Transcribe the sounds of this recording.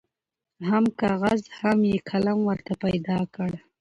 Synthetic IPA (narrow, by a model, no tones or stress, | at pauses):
hamkɑɣazhamjekʰalamwəɾt̪apajd̪ɑkəɽ